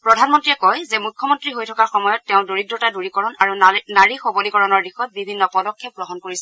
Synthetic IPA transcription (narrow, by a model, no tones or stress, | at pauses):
pɹɔdʱanmɔntɹiɛkɔjzɛmukʰːjɔmɔntɹiɦojtʰɔkaɹxɔmɔjɔtːɛʊ̃doɹidɹɔtaduɹikɔɹɔnaɹunaɹixobolikɔɹɔnɔɹdixɔt̚bibʱinːɔpɔdɔkʰːɛp̚ɡɹɔɦɔnkoɹisɛ